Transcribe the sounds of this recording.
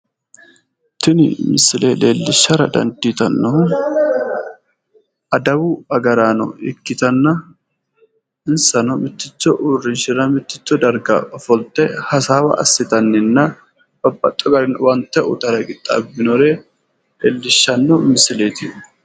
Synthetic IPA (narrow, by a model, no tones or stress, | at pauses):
t̪ɪnɪ̰mɪsɪleːleːlːɪʃːɐɾɐd̪ɐ̰nd̪iːt̪ɐnːɔn | ʔɐd̪ɐwʊɐɡɐɾaːnɔ̰ɪkːɪt̪ɐnːɐ | ɪnsɐnɔmɪt̪ːɪt͡ʃːɔʔuːrɪnʃɪɾɐmɪt̪ːɪt͡ʃːɔd̪ɐɾɡɐ̰fɔlt̪ʼːɛhɐsaːwɐ̰ʔɐ̰sːɪt̪ɐnːɪnːɐ | b̥ɐbːɐt̪ʼːɔɡɐɾɪnwɐnt̪ːɛʊ̰t̪ɐɾɐɡɪt̪ʼːa̰bːɪnɔɾe | leːlːɪʃːɐnːɔmɪsɪleːt̪ɪ